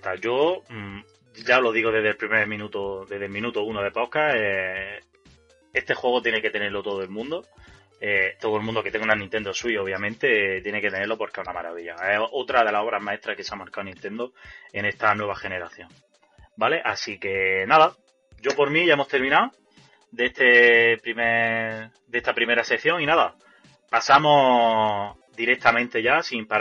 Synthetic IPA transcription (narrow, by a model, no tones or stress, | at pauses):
t̪aʝo̞ | ɟ͡ʝaolo̞ðiɣo̞ðe̞ðelpɾimeɾmĩnut̪oðeðelmĩnut̪ounoð̞e̞po̞kae | e̞st̪e̞xwe̞ɣo̞t̪jeneke̞t̪e̞ne̞ɾlo̞t̪o̞ð̞oe̞lmũnd̪o | et̪o̞ðoe̞lmũnd̪o̞ket̪ŋɡunanĩnt̪e̞nd̪o̞sujo̞βjamẽnt̪e̞t̪je̞nekt̪e̞ne̞ɾlo̞po̞ɾkesunamaɾa̰βiʎa̰eot̪ɾaðe̞laso̞βɾamae̞ht̪ɾahke̞seamaɾkaonĩnt̪e̞nd̪oe̞ne̞st̪anwe̞β̞axe̞ne̞ɾaθjoŋ | bale̞ʔasike̞naða | ɟ͡ʝo̞po̞ɾmĩʝaemo̞st̪e̞ɾmĩnao | d̪est̪epɾime | d̪est̪apɾime̞ɾase̞kθjo̞ŋinaða | pasamo̞ | d̪iɾe̞k̚t̪amẽnt̪e̞ʝasimpa